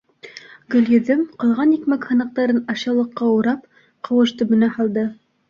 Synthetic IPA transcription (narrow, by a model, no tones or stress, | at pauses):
ɡɵ̆ljɘ̆ðɘmqɤ̆lˠʁɑnikmækhɤ̆nɤ̆q̚t̪ɑɾɤnɑɕɑlˠɤ̆qːɑuɾɑp̚ | qɤ̆wɤ̆ʃt̪ɵ̆bɵ̆næhɑlˠd̪ɤ